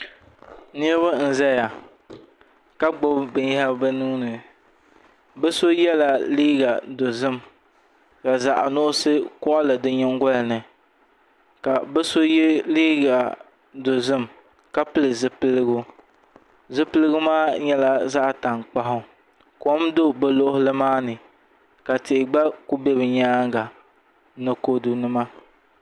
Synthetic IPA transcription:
ni˦ba˦n̩˨za˦ja˨ | ka˦ɡ͡bʊ˦bbɨ˨ɲ˦ha˦bɛ˦nuː˦nɨ˨ | bɛ˦so˦jɛ˦la˨liː˦ɡa˨do˨zɨ˦m | ka˨za˨ʔa̰˨nʊ˦ʔʊ˦sɨ˦kɔ˦ʔa˦lɨ˨dɨ˦ɲɛ˦ŋ˦ɡɔ˦lɨ˨nɨ˨ | ka˨bɛ˦so˦jliː˦ɡa˨ | do˨zɨ˦m | ka˦pɨ˦lɨ˨zɨ˦pɨ˦lɨ˦ɡʊ˦ | zɨ˦pɨ˦lɨ˦ɡʊ˦maː˦ɲɛ˦la˦za˦ʔta˨ŋk͡pa˦ɦʊ˦ | ko˦mdo˦bɛ˦lo˦ʔʊ˦hʊ˦lɨ˦maː˦nɨ˨ | ka˨tɪ˨ʔɪ˨ɡ͡ba˦ku˦bɛ˦bɨ˨ɲaː˦ŋɡa˨ | nɨ˨ko˦du˦nɨ˦ma˦

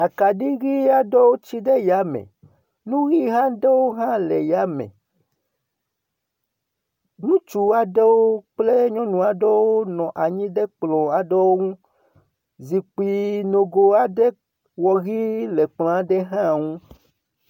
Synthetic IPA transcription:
a˨ka˨ɖi˦ɣi˦a˦ɖɔ˦wo˦t͡ɕi˦ɖɛ˦ja˨˦mɛ̰̃˨ | nũ˦ɣi˦ɦã˦ɖɛ˦wo˦ɦã˦lɛ̰˨ja˦mɛ̰̃˨ | nũ˦t͡ʃu˨a˨ɖɛ˦wo˦k͡ple˦ɲɔ̃˦nũ˨a˨ɖɔ˦wo˦nɔ̃˨ʔa˨ɲĩ˦ɖɛ˦k͡plɔ̃˨a˨ɖɔ˦wo˦ŋũ˦ | zi˨k͡pi˨no˨ɡo˨a˦˨ɖɛ˦ | wɔ˨ɣi˦lɛ˨k͡plɔ̃˨a˨ɖɛ˦ɦã˦˨ŋũ˦

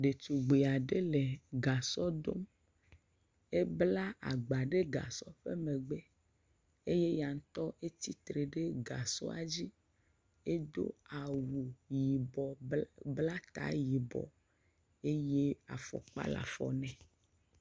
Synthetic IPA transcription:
ɖe˨t̪u˨ɡ͡be˨a˨ɖe˦le˨ɡa˨sɔ˦d̪o̰˦m | e˦bla˦ʔa̰˨ɡ͡ba˨ɖe˦ɡa̰˨sɔ˦ɸe˦mẽ˨ɡ͡be˦ | e˦je˦ja˨ŋ̩˦t̪ɔ˦ʔe˦t̪i˦t̪ɾe˨ɖe˦ɡa˨sɔ̰˦a˨d͡ʑi˦ | e˦d̪o̰˦a˨wu˨ji˨bɔ˨bla˦t̪a̰˦ji˨bɔ̰˨ | e˦je˦a̰˨fɔ̰˨k͡pa̰˦la̰˨fɔ̰˨nɛ̃˨

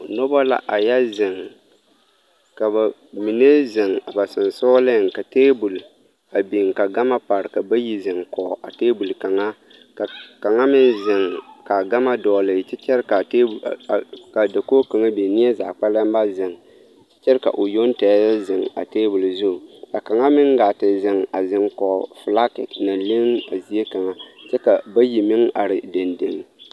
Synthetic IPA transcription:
nɔ˦ba˦la̰˦ʔa˨ja˦zɪ˨ŋ | ka˨ba˨mi˨ne˦zɪ˨ŋa˨ba˨sɨ˨n˨soː˦le˦˨ŋ˨ka˨teː˦bu˨l | a˨bi˨ŋ˨ka˨ɡa˦ma˦pa˨ɾɨ˨ka˨ba˦ji˦zɨ˨ŋkɔ˨ʔa̰˨teː˦bu˨lka˨ŋa˦ | ka˨ka˨ŋa˦mɪ˦n˦zɪ˨ŋka˨ɡa˦ma˦dɔː˨lɨ˨t͡ʃɪ˦t͡ʃɛ˦ɾka˨te˦˨ | ka˨da˨ko˦ka˨ŋa˦be˨ni˦a˦za̰ː˨k͡pa˦la˦m˦ba˦zɪ˨ŋ˦ | t͡ʃɛ˦ɾka̰˨ʔo˨jo˦n˦ta˨˦a˦zɪ˨ŋa̰˨teː˦bʊ˨lzʊ˦˨ka˨ka˨ŋa˦mɪ˦ŋɡa˨tɪ˨zɪ˨ŋa˨zɪ˨ŋkɔ˨fɪ˨la˦kɪ̰˨na˨lɪ˦na˨zi˦e˦ka˨ŋa˦t͡ʃɛ˦ka˨ba˦ji˨mɪ˦ŋa˨ɾɪ˨de˨ndɪ˨ŋ˨

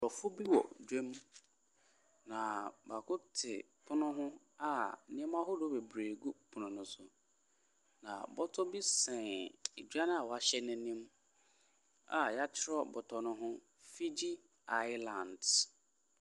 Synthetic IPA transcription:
ɾɔ˨fʊ˦bi˦wɔ̰˨dᶣe˦m | nã˨ba˨kʰʊ˦tʰɪ̰˨ | pʰʊ˦nʊ̃˦ɦʊ̃˦ | a˨nɪ̃˦ɛ̃˦m˦a˦ɦʊ˦do˦be˨bɾeː˨ɡu˦pʰʊ˨nʊ̃˨nʊ̃˨sʊ˨ | nã̰˨bɔ˦tʰɔ˦bi˦sɛ̃˨e˨d͡ʒᶣa˦ñ˦a˨wɔ˨a˨ɕɛ˦nɛ̃˦nĩ˦m | a̰˨ja˦t͡ɕʰɪ˦ɾɔ˦bɔ˨tʰɔ˨nʊ̃˦ɦʊ̃˦ | fi˦d͡ʑi˦ | a˦jlã˨nd

